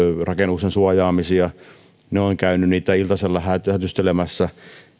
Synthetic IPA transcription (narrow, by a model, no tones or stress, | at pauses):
rʔɑkenuksensuɑjɑːmisiɑ | neoŋkæynynniːt̪æilt̪ɑselːɑhæt̪hæt̪yst̪elemæsːæ